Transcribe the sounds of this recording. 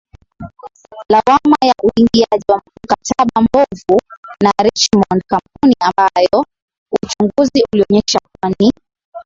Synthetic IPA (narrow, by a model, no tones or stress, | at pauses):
lawamajaʔuiŋɡiaʄiwam̩katʰaɓambɔvunaɾɛt͡ʃmɔnd̚kamp̚uniambajɔ | ut͡ʃuŋɡuziʔuliɔɲɛʃak̚wani